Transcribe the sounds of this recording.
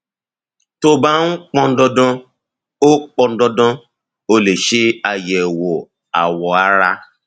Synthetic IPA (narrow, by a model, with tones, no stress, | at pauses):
to˧ba˦n̩˦k͡pɔ̃˧n̩˦dɔ˧dɔ̃˧ | o˦k͡pɔ̃˧n̩˦dɔ˧dɔ̃˧ | o˧le˨ʃe˦a˧jɛ˨wo˨ | a̰˨wɔ˨a˦ɾa˧˦